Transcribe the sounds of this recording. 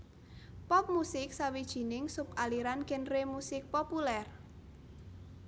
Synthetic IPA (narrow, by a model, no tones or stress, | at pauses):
pɔp̚musɪksawid̥ʒ̥i̤nɪŋsʊpʔaliɾankɪnremusɪk̚populɛr